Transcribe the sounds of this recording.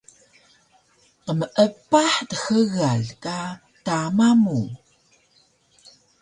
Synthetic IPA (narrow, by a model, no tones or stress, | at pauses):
qəməʔəpːaħtəxəɣaɮka | tamamu